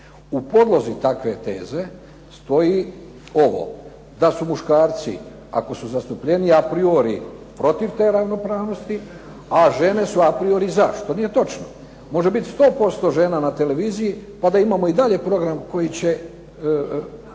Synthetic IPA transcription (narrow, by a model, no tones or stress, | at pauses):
upo̞d̪lˠo̞zit̪akʋe̞t̪e̞̰ːze̞ | st̪o̞ji | o̞ʋo̞̰ | d̪asumuʃkaːɾt̪sḭ | a̰ko̞suzast̪upʎe̞niapɾioɾipɾo̞t̪iʋt̪e̞ːɾaʋno̞pɾaːʋno̞st̪i | aʒe̞ne̞suapɾio̞ɾizaʃt̪o̞nije̞t̪o̞t͡ʃno | mo̞ʒe̞bit̪st̪o̞ːpo̞st̪o̞ʒe̞ːnanat̪e̞leʋiːzijipad̪aimamo̞id̪aʎe̞pɾo̞ɡɾamko̞jit͡ɕe̞